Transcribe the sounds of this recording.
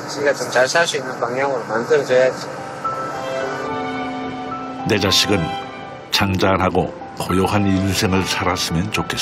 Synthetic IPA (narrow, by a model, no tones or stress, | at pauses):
t͡ɕiɡat͡ɕomt͡ɕaɭsʰasuinːɯnpaŋjaŋɯɾomandɯɾd͡ʑojad͡ʑi | ne̞d͡ʑaɕʰiɡɯn | t͡ɕaŋd͡ʑanɦaɡo | kojʌɦaninsʰe̞ŋɯɭsʰaɾas͈ɯmjʌnt͡ɕokʰes͈